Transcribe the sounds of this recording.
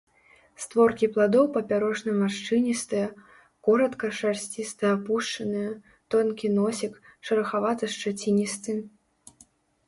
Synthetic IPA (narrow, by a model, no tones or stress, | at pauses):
st̪vɔrkʲiplˠad̪ɔwpɐpʲaɾɔʂnɐjmaʂt͡ʂɨnʲist̪ɨjɐ | kɔɾɐt̪kɐʂarsʲt͡sʲist̪ɨjapuʂt͡ʂɐnɨjɐ | t̪ɔnkʲinɔsʲikʂɐɾɐxavat̪ɨʂt͡ʂat͡sʲinʲist̪ɨn